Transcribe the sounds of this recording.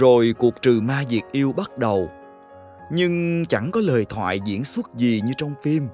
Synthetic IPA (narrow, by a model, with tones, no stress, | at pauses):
zo˨˩jku˨˩ək̚t͡ɕɨ˨˩maː˧zi˨˩ək̚ʔi˧əwɓa˦˥t̚ɗə˨˩w | ɲɨ˧ŋt͡ɕa˧˩ŋkɔ˨˦ləː˨˩jt̪ʰwa̰ː˧˨jzḭ˧˥ənswə˦˥t̚zi˨˩ɲɨ˧t͡ɕɔ˧wŋ͡mfi˧m